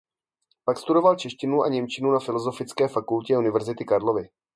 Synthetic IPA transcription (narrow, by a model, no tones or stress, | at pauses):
pakst̪udo̞valt͡ʃɛʃcɪnua̰ɲɛmt͡ʃɪnunafɪlo̞zo̞fɪt͡skɛːfakulcɛunɪvɛɾzɪt̪ɪkaɾlo̞vɪ